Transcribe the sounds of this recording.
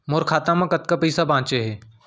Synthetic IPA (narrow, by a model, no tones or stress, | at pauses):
moɾkʰaːt̪ãmãkɐt̪̚kapəjsabãːt͡ʃeɦeː